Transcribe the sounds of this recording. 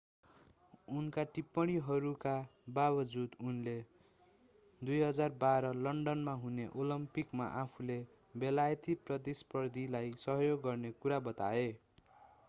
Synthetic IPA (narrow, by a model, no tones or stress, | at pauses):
unkaʈipːʌɽ̃iɦʌɾukababʌd͡zud̪unle | d̪ujɦʌd͡zarbaɾʌlʌɳɖʌnmaɦuneʔolʌmpikma̰ʔapʰule | belajt̪iprʌd̪ispʌrd̪ʱilajsʌɦjoɡːʌrnekuɾabʌt̪ae